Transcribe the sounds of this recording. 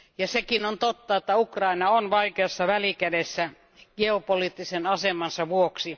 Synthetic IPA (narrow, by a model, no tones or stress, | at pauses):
jɑsekinont̪ot̪ːɑet̪ːæukrɑinɑonʋɑikeɑsːɑʋælikædesːæ | ɡ̥eopoliːt̪ːisenɑsemɑnsɑʋuoksi